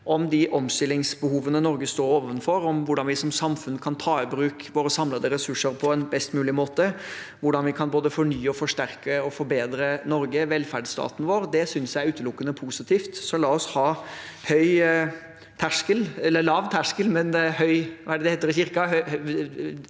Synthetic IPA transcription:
ʔɔmd̪ɪʔɔmst̪ʏlːɪŋsbəhuːʋənənɔɾɡəst̪oːɾoːʋənfɔɾɔmʋʊɖɑnʋɪsɔmsɑmfʉnːkʰɑnt̪ʰɑːɪbɾʉːkʋoːɾəsɑmləd̪ɛɾɛsʉʂəɾpʰɔɛnbɛst̪mʉːlɪmoːt̪ə | ʋʊɖɑnʋɪkʰɑnboːd̪əfɔɳyːəɔfɔʂt̪æɾkəɔfɔɾbeːd̪ɾənɔɾɡəʋɛlfæɖst̪ɑ̰ːt̪n̩ʋoːɾd̪ɛsʏnsjæɪɾʉːt̪əlʊkːənəpʰuːsɪt̪ʰiːft̪sɔlɑːɔshɑːhœʏ | t̪ʰæʂkəlɛlːəlɑʋt̪ʰæʂkəlmɛnhœʏɑ̰æɖəd̪ɛeːt̪ːəɾɪçɪɾkɑɦœ

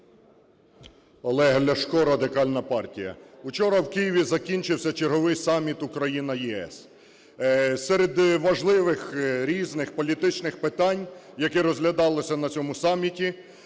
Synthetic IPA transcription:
ɔlˠɛɦlʲɐʃkɔɾɐd̪ɪkɑlʲnɐpɑrtʲijɐ̰ut͡ʃɔɾɐwkɪjiʋʲizɐkʲinʲt͡ʃɪwsʲɐt͡ʃerɦɔʋɪjsɑmʲːit̪ukɾɐjinɐjiɛ̰s | sɛɾed̪ʋɐʒlˠɪʋɪxɾʲiznɪxpɔlʲit̪ɪt͡ʃnɪxpɪt̪ɑnʲjɐkɛɾɔzɦlʲɐd̪ɑlˠɪsʲɐnɐt͡sʲɔmʊsɑmʲːitʲi

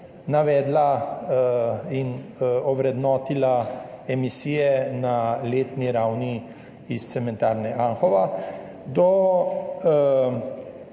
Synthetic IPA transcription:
naʋɛːd̪la | inɔʋɾɛd̪nɔːt̪ilaɛmisiːjɛnaleːt̪niɾawni | ist̪sɛmɛ̃nt̪aːɾnɛʔaŋxɔʋa | d̪ɔ

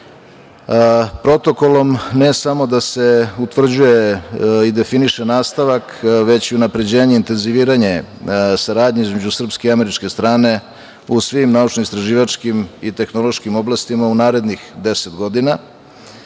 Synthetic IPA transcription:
pɾo̞t̪o̞ko̞lˠo̞mne̞samo̞d̪ase̞ut̪ʋr̩d͡ʑuje̞id̪e̞finiʃenaːst̪aʋakʋe̞t͡ɕiunapɾe̞d͡ʑe̞ːɲeint̪e̞nziʋiːɾaɲesaɾaːd̪ɲeizme̞d͡ʑusr̩pskeiame̞ɾit͡ʃke̞st̪ɾaːne̞ | usʋimnaut͡ʃnoist̪ɾaʒiːʋat͡ʃkimit̪e̞xno̞lˠo̞ʃkimo̞blˠast̪imaunaːɾe̞d̪nixd̪e̞set̪ɡo̞d̪ina

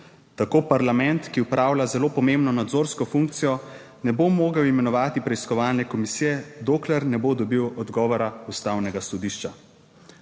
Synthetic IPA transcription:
t̪akoːpaɾlamɛnt̪kiupɾaːwlʲazɛloːpɔmembnɔnad̪zoːɾskɔfuŋk̚t̪sijɔ | nɛbomoːɡəwimɛnɔʋaːt̪ipɾɛiskɔʋaːlnɛkɔmisijɛd̪oːklɛɾnɛbod̪ɔbiwɔd̪ɡɔːʋɔɾaust̪awnɛɡasɔd̪iːʃt͡ʃa

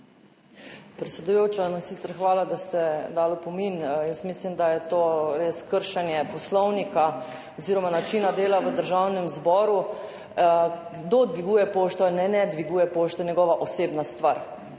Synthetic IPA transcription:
pɾɛt̪sɛd̪ujoːt͡ʃanɔsit̪sɛɾxʋaːlad̪ast̪ɛd̪aːlɔpɔminjəsmislimd̪ajɛt̪oːɾeskəɾʃanjɛpɔslɔwnika | ɔziːɾɔmanat͡ʃinad̪eːlaʋəd̪əɾʒawnɛmzbɔːɾu | ɡd̪od̪ʋiɡuːjɛpoːʃt̪ɔalnɛnɛd̪ʋiɡuːjɛpoːʃt̪ɛnʲjɛɡɔːʋaʔoseːbnast̪ʋaɾ

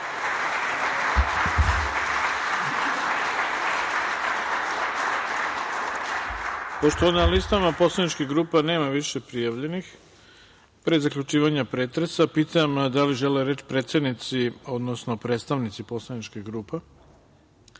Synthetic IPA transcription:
poʃt̪oʋannalist̪amapo̞slˠanit͡ʃkiɡɾuːpene̞ːmaʋiʃepɾijaʋʎe̞nix | pɾezakʎut͡ʃiːʋaɲapɾet̪ɾesapiːt̪amd̪aliʒe̞leɾe̞t͡ʃpɾe̞ːt̪sje̞d̪nit̪sio̞d̪nosno̞pɾet̪st̪aʋnit̪sipo̞slˠanit͡ʃkeɡɾuːpe

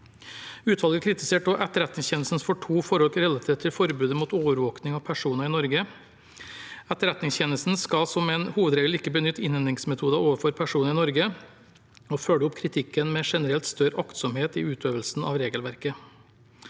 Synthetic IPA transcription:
ʉːt̪ʰʋɑlɡəkʰɾɪt̪ɪseːʈ̚d̪oʔɛt̪ːəɾɛt̪nɪŋsçɛːnəsn̩sfɔʈʰuːfɔɾɔlkɾɛlɑt̪ʰeːt̪ʰːɪlfɔɾbʉːd̪əmuːt̪oːʋəɾʋoːknɪŋɑʋpʰæʂuːnəɾɪːnɔɾɡə | æt̪ːəɾɛt̪nɪŋsçɛnəsn̩skɑlsɔmɛɪnhuːʋəd̪ɾeːɡəlɪkːəbənʏt̪ːɪnɛnd̪ɾɪŋsmɛt̪ʰuːd̪ɑoːʋəfɔɾpʰæʂuːnəɾɪːnɔɾɡə | ɔføːɖəʊpkʰɾɪt̪ʰɪkːənmeːʂɛnəɾɛlt̪st̪œɾəʔɑkt̪sɔmheːt̪ḭːʉːt̪ʰøːʋəlsn̩ʔɑ̰ʋɾeːɡəlʋæɾkə

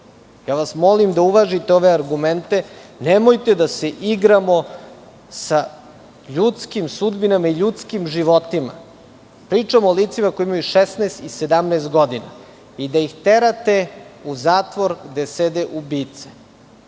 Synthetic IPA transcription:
jaːʋasmo̞limd̪auʋaʒit̪eo̞ʋeaɾɡument̪enemojt̪ed̪aseʔiɡɾamo̞ | sa | ʎut̪skimsud̪binamaiʎut̪skimʒiʋo̞t̪ima̰ | pɾiːt͡ʂamooliːt̪simakojiimajuʃesneːst̪ise̞d̪amnɛːst̪̚ɡo̞d̪ina | id̪aixt̪e̞ɾat̪e̞uzaːt̪ʋo̞ɾɡd̪esed̪eʔubiːt̪se̥

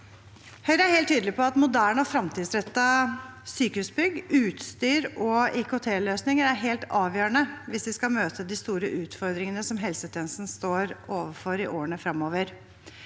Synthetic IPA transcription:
hœʏɾæhɛɪlt̪ʰːyːd̪lɪpʰɔɑt̪mʊd̪æːɳəɔfɾɑmt̪ʰiːd̪sɾɛt̪ːɑsyːkəhʉsbʏɡʉːt̪st̪yːɾɔɪkʊt̪ʰeːløːsnɪŋəɾæɾɦeːlt̪ɑːʋjøːəɳəʋɪsʋɪskɑmøːt̪ʰəd̪ɪst̪uːɾəʔʉːt̪fɔɾd̪ɾɪŋənəsɔmɦɛlsət̪ʰɛːnəsn̩st̪oːɾoːʋəfɔɾɪʔoːəɳəfɾɑmːoːʋəɾ

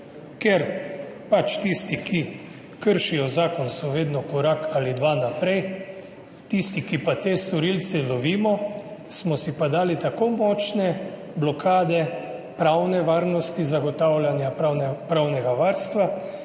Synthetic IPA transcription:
kɛɾ | pat͡ʃt̪ist̪ikʰi | kəɾʃijɔzaːkɔnsɔʋeːd̪nɔkɔɾakaːlid̪ʋanapɾɛj | t̪ist̪ikipat̪eːst̪ɔɾiːlt̪sɛlɔʋiːmɔsmɔsipad̪aːlit̪akomɔːt͡ʃnɛ | blɔkʰaːd̪ɛpɾawnɛʋaːɾnɔst̪izaɡɔt̪awljanjapɾawnɛɡaʋaːɾst̪ʋa

